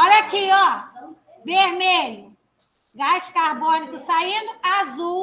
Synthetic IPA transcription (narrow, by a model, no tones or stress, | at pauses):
ɔlakʰiɔ | beɦmeju | ɡaskaɾbɔnikusainuazu